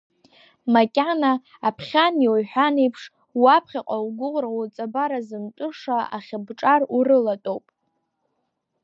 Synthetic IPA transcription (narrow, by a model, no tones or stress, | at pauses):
makʲʼanaː | pʰχʲaniojħʷᶣanejpʰʂ | wapʰχʲaqʼawɡʷʊʁrawut͡sʼabaɾazɨmtʷʼʊʂaa̰χʲɪbʈ͡ʂʼarurɨlatʼowpʼ